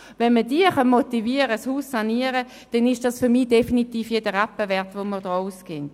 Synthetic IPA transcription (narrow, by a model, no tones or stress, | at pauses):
vɛnmədiəχɑnmot̪iviəʁəshuːsːɑniəʁə | d̥ɛnɪʃd̥ɑsfʏʁmiːd̥efinitiːfjedəʁapːəvɛɐtʋoməʁd̥ɔːuskent